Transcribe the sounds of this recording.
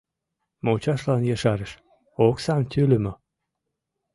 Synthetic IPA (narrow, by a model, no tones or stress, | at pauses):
mot͡ɕɑʃlɑnjɑʃɑɾəʃ | oksɑnt̪ʰʲylʲymo